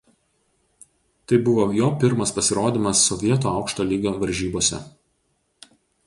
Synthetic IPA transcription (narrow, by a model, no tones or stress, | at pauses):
t̪ɐɪbʊʋoːjoːpʲɪɾmɐspɐsʲɪɾoːd̪ʲiːmɐsːɔʋʲiɛt̪oːɑˑʊkʃt̪oːlʲiːɡʲoːʋɐɾʲʒʲiːboːsʲɛ̰